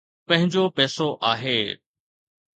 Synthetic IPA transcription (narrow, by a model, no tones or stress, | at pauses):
pɐ̃ɦɪ̃ɲd͡ʑopɛːsoʔaːɦeː